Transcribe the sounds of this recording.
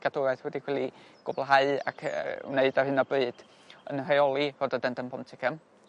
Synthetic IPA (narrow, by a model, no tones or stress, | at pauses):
ɡ̥adoɾajθwɛdikʰwɛlˠiɡ̥ʊblˠɦaɨa̰kʰwneɨdarhɨnɔbɨːd̥ | ə̰nrajɔlˠirodədəndənpʰɔntʰɪkʰəm